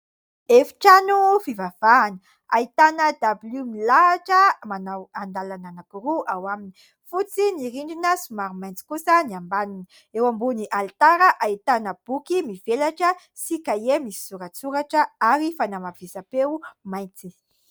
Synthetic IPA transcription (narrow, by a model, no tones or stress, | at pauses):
efi̥ʈ͡ʂanufivav̥aːnə | ait̪anəd̪abilumilaːʈ͡ʂəmanaand̪alananakuɾuʔawamini̥ | fut͡siniɾiɳɖ͡ʐinəsumaɾumajnt͡si̥kusəniambanini | ewambuniʔalt̪aɾəʔait̪anəb̥ukimivelaʈ͡ʂə | sikajemisi̥suɾət͡suɾaʈ͡ʂəaɾifanamav̥esapewmajnt͡si̥